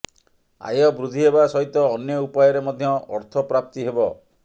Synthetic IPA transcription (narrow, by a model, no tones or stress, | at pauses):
a̰jɔbɾud̪ʱiɦebasɔɦit̪ɔːnjɔupajɔɾemɔd̪ʱjɔɔɾt̪ʰɔpɾap̚t̪iɦebɔ